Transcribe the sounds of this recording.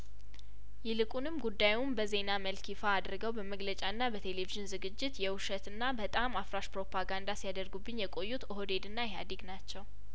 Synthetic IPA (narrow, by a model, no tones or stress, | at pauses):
jɪlɨkʼunɨmɡud̪ːajumbəze̞naməlkʰifaːd̪ɾɡəwbəməɡlət͡ʃʼaɨnːabət̪ʰe̞le̞viʒɨnzɨɡɨd͡ʒːɪt̪jɛwʊʃət̪ɨnːabət̪ʼamːafɾaʃpɾo̞pʰaɡand̪asijad̪əɾɡubːɨɲːjɛkʼo̞jːut̪oɦod̪e̞d̪ɨnːajɛɦa̰d̪iɡnat͡ʃːɛw